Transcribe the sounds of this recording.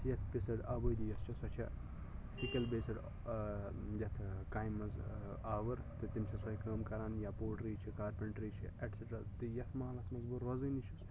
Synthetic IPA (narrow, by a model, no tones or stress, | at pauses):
jɐt̪ʰbesɐɖaːbɐjd̪ijɐst͡ʃʰɐsɐt͡ʃʰɐ̰ | sikɐlbeːsɐɖ | jɐt̪ʰkaːjmːɐzaːʋɐɾt̪ɨt̪imt͡ʃʰɐsɐikɐːmkɐɾaːnjapoːʈɾiːt͡ʃʰikaːɾpɐɳʈɾiːt͡ʃʰiʔeʈseʈɾaːt̪ɨjɐt̪ʰmɐːlɐsmɐzbuɾʋɐzɨnit͡ʃʰɐs